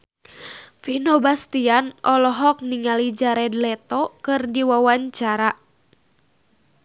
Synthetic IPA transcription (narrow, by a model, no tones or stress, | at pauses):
finɔbast̪ianɔlɔɦɔk̚niŋalid͡ʒaɾɛdlɛt̪ɔkɨrdiwawaɲt͡ʃaɾa